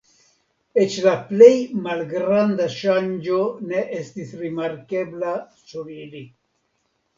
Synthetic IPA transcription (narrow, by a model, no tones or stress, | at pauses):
et͡ʃlaplejmalɡɾand̪aʃand͡ʒoneʔest̪isɾimaɾkebla | suɾili